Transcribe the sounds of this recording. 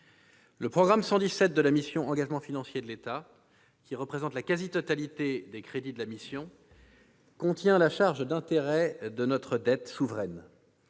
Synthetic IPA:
ləpχɔɡʁamsɑ̃d̪isɛt̪̚d̪əlamisjɔ̃ʔɑ̃ɡaʒmɑ̃finɑ̃sjed̪əlet̪a | kʲiʁəpχezɑ̃t̪lakazit̪ɔt̪alit̪ed̪ekχed̪id̪əlamisjɔ̃ | kɔ̃t̪jɛ̃laʃaʁʒd̪ɛ̃t̪eʁɛd̪ənɔt̪χəd̪ɛt̪suvʁɛn

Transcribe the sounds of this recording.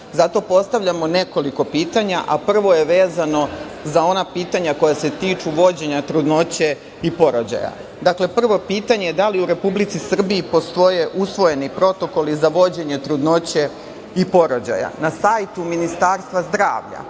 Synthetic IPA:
zat̪o̞po̞st̪aʋʎʲamo̞ne̞ko̞liko̞piːt̪aɲaʔapr̩ʋo̞je̞ʋe̞ːzano̞zao̞napiːt̪aɲako̞jase̞t̪iːt͡ʃuʋo̞d͡ʑe̞ɲat̪ɾud̪no̞t͡ɕe | ipo̞ɾod͡ʑa̰ja̰ | d̪akle̞pr̩ʋo̞piːt̪aɲe̞jed̪aliuɾe̞publit̪sisr̩biːpo̞st̪o̞je̞ʔusʋo̞je̞nipɾo̞t̪o̞ko̞lizaʋo̞d͡ʑe̞ɲe̞t̪ɾud̪no̞t͡ɕe̞ | ipo̞ɾo̞d͡ʑa̰ja̰nasajt̪uminist̪aːɾst̪ʋazd̪ɾaːʋʎa̰

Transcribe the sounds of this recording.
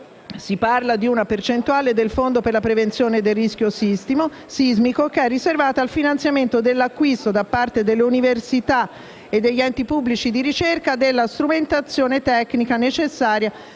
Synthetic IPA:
siparlad̪iunapert͡ʃent̪uaːled̪elfond̪operlapɾevent̪sjoːned̪elːisk̟josist̪imo | sizmikokeɛrːiservaːt̪aalfinant̪sjament̪od̪elːakːwist̪od̪apːart̪ed̪elːeuniversit̪a | ed̪ːeʎːɛnt̪ipubːlit͡ʃid̪iɾit͡ʃerkad̪elːast̪ɾument̪at̪sːjoːnet̪ɛkːnikanet͡ʃesːaːɾja

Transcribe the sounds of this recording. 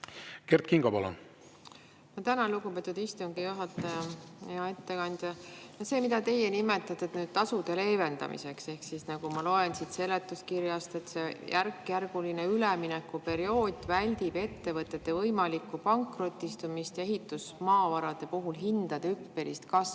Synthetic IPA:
kert̪̚kiŋɡɑpɑlɑ̰ | mot̪ænɑluɡupe̞t̪ːˑud̪ist̪uŋɡ̥ijuɦɑt̪ːˑɑjɑjɑe̞t̪ːe̞kɑnʲd̪̥ʲjɑjose̞ːmid̪ɑt̪e̞jenime̞t̪ːˑɑt̪ːˑet̪nyːd̥̪̚t̪ɑsud̪̥e̞le̞ːve̞nd̪ɑ̰mḭse̞kse̞hksisnɑɡ̥umɑlo̞e̞nsid̪se̞lːe̞t̪ːˑuskirjɑst̪e̞t̪se̞jʔærkːjærɡ̥ulineylɛminɛkːupe̞ɾio̞ːd̪̥ʲvælʲd̪̥ib̥e̞t̪ːe̞vɤt̪ːˑe̞t̪ːe̞vɤjmɑlikːˑupɑŋkro̞t̪ʲːˑist̪umist̪eɦit̪ːˑusmɑːvɑɾɑd̪̥e̞puɦulɦind̪̥ɑd̪ɑypːe̞lḭst̪kɑs

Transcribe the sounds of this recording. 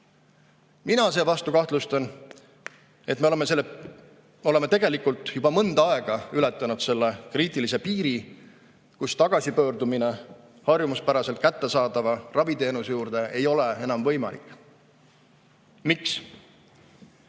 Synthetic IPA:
minɑse̞ːvɑst̪ukɑht̪lust̪ɑn | e̞t̪ːˑmeemeselː | o̞le̞met̪e̞ɡ̥e̞likult̪ˑjubɑmɤnd̪̥ɑe̞ɡ̥ɑylɛt̪ˑːɑnud̪̥se̞lːekriːt̪ˑilise̞piːɾi | kust̪ɑɡ̥ɑsipøːrd̪umine | hɑrjumuspæɾɑse̞lt̪̚kæt̪ːe̞sɑːd̪̥ɑvɑrɑvit̪e̞ːnusejuːrd̪̥e̞e̞jo̞le̞e̞nɑmvɤjmɑ̰lḭkːˑ | miks

